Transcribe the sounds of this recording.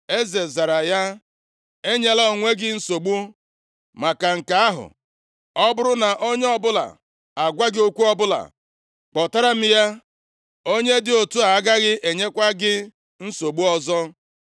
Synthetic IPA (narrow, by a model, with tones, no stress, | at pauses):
e˦ze˨za˨ɾa˨ja˦ | e˦ɲe˦la˦o˨ŋʷe˦ɡɪ˦n̩˦so˨ɡ͡bu˦ | ma˨ka˨ŋ̩˨ka˨a˦ɦʊ̰˨ | ɔ˦bʊ˦ɾʊ˦na˨ʔo˦ɲe˦ɔ˦bʊ˦la̰˨ | a˨ɡʷa˦ɡɪ˦o˦kʷu˦ɔ˦bʊ˦la̰˨ | k͡pɔ˨ta˦ɾa˦m̩˦ja˦ | o˦ɲe˦dɪ˦o˨tu˦a˨˦ɡa˦ɣɪ˦ʔe˨ɲe˦kʷa˦ɡɪ˦ | n̩˦so˨ɡ͡bu˦ɔ˦zɔ˦